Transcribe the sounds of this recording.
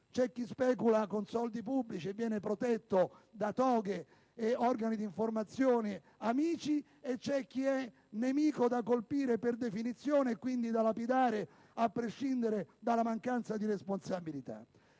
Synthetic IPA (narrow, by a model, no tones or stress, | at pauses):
t͡ʃɛk̟ːispɛːkulakonsɔld̪ipubːlit͡ʃievːjɛːnepɾot̪ɛt̪ːod̪at̪ɔːɡe | eɔrɡanid̪iɱformat̪sjoːnɪ | amiːt͡ʃi | et͡ʃːɛk̟ːiɛ | nemiːkod̪akːolpiːɾeperd̪efinit̪sːjoːneːkːwind̪id̪alapid̪aːɾeɪ | apːɾeʃːind̪eɾed̪alamaŋkant̪sad̪iɾesponsabilit̪a̰